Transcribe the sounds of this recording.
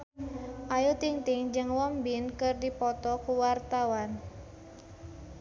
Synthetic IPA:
ʔajut̪iŋt̪iŋd͡ʒɨŋwɔmbinkɨrdipɔt̪ɔkuwart̪awan

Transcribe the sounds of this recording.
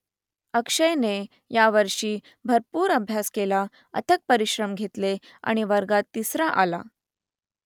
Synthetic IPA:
əkʂəjne | jaʋəɾʂiː | bʱəɾpuːɾəbʱjaskela | ə̰t̪ʰək̚pəɾiɕɾəmɡʱet̪le | a̰ɽ̃iʋəɾɡat̪ːisɾaʔa̰la̰

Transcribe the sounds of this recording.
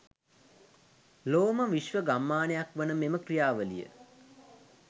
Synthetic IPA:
loːməʋiʃʋəɡamːaːnejakʋənəmeməkrijaːʋəlḭjə̰

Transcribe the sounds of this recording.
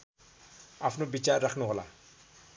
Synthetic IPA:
apʰnobit͡ʃaɾːakʰnuɦola̰

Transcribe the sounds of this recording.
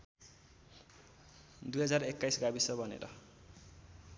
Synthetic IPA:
d̪ujɦʌd͡zarekːajsɡabisʌbʌnḛɾʌ̰

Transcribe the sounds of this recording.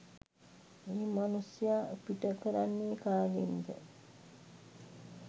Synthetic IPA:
eːmanusijaːəpiʈəkəɾanːikaːɡend̪ə̰

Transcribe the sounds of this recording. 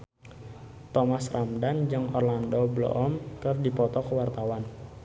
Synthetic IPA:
t̪ɔmasrʔamdand͡ʒɨŋɔrlandɔblɔ̰ʔɔmkɨrdipɔt̪ɔkəwart̪awan

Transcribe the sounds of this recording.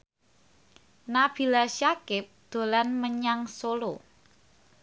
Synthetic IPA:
nab̥ilaʃakɪp̚d̪̥o̤lanməɲaŋsolo

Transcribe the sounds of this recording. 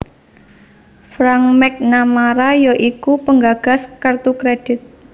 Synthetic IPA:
fɾaŋmɛk̚namaɾajɔʔikupəŋɡaɡ̥a̤skərt̪ukɾed̥ɪt̪̚

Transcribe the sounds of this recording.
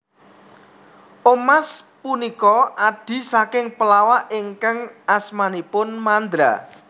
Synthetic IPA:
ʔomaspunikɔʔad̪̥i̤sakɪŋpəlawaʔɪŋkaŋasmanipʊnmand̪ɾa̰

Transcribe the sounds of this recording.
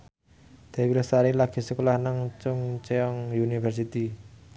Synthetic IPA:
d̪̥e̤wilastaɾilaɡ̥e̤səkolahnaŋt͡ʃʊŋt͡ʃeɔŋjunifɛrs̬it̪i

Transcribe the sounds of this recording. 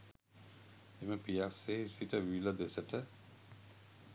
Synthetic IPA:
eməpiasesiʈəʋilod̪esəʈʰə

